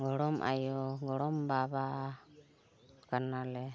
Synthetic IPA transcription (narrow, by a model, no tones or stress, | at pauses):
ɡɔɽɔmʔa̰jɔɡɔɽɔmbaba | kanalɛ